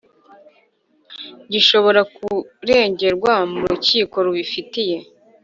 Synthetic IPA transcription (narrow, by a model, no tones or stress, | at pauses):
ɟiʃo̞βo̞ɾakuɾe̞ːɲɟe̞ɾɡwamuɾuciːko̞ɾuβifitije̞